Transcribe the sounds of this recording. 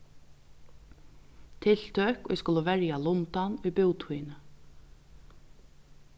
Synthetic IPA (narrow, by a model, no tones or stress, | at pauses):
t̪ʰɪl̥t̪ʰøkɔ̰ɛ̰skʊlʊʋɛɹjalʊnt̪anujpɪwt̪ʰuːjnə